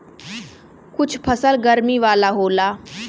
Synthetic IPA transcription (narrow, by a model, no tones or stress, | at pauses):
kʊt͡ʃʰpʰəsəlɡəɾmiːʋaːlaɦoːla